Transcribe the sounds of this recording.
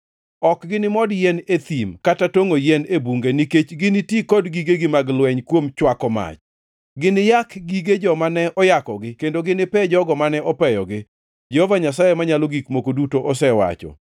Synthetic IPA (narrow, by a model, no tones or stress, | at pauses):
ɔkɡɪnɪmɔdjɛnet̪imkatatoŋojɛnebuŋɡeniket͡ʃɡɪnɪtikɔdɡiɡeɡɪmaɡlwɛɲkwomt͡ʃwakɔma̰t͡ʃ | ɡɪnɪjakɡiɡed͡ʒɔmanɛʔɔjakɔɡɪkendoɡɪnɪpɛd͡ʒɔɡɔmanɛɔpɛjɔɡɪ | d͡ʒɛhɔvaɲasajemaɲaloɡikmokodutoʔɔsɛwa̰t͡ʃɔ̰